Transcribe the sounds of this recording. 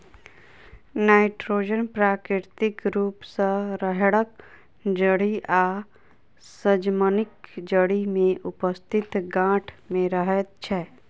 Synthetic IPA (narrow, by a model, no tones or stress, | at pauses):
naːɪʈɾoːd͡ʒənpɾaːkɾɪɾt̪ɪkɾuːpsəɾəɦɽək | d͡ʒəɽiʔaː | səd͡ʒmənɪkd͡ʒəɽimẽʔʊpəst̪ʰɪt̪ɡãːʈʰmẽɾəɦɛt̪̚t͡ʃʰɛ